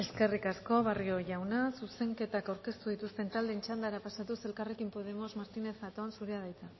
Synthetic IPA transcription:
e̞ske̞rikasko̞βario̞ʝawnasuse̞ŋke̞t̪akawɾke̞st̪uð̞it̪ust̪e̞nt̪ald̪e̞ːnt͡ʃand̪aɾapasat̪use̞lkare̞kimpo̞ð̞e̞mo̞zmaɾt̪ine̞θat̪o̞ansuɾeað̞ajt͡sa

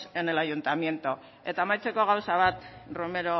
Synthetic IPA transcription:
sene̞lajunt̪amje̞nt̪o | e̞t̪aemajt͡se̞ko̞ɣ̞awsaβ̞at̪rome̞ɾo

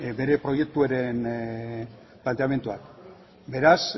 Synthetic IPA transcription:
be̞ɾe̞pɾo̞je̞k̚t̪ueɾe̞n | plant̪eame̞nt̪uak | be̞ɾas

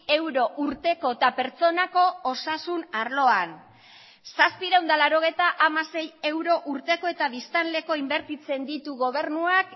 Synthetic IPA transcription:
e̞wɾo̞ʔuɾt̪e̞ko̞et̪ape̞ɾt͡so̞nako̞ːsasunaɾlo̞an | saspiɾawnd̪alaɾo̞ɣ̞e̞jt̪aʔamase̞je̞wɾo̞ʔuɾt̪e̞ko̞e̞t̪aβist̪anle̞ko̞imbe̞ɾt̪it͡se̞nd̪it̪uɣo̞β̞e̞ɾnuak

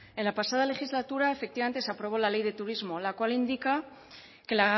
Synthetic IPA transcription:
e̞nlapasað̞ale̞xizlat̪uɾae̞fek̚t̪iβament̪eseapɾo̞β̞o̞lale̞jðe̞t̪uɾizmo̞lakwalind̪ika | ke̞la

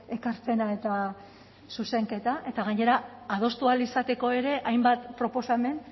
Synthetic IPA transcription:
e̞kaɾpe̞nae̞t̪a | suse̞ŋke̞t̪aʔe̞t̪aɣ̞aɲe̞ɾaað̞o̞st̪ualisat̪e̞ko̞e̞ɾe̞ʔajmbat̪pɾo̞po̞same̞n

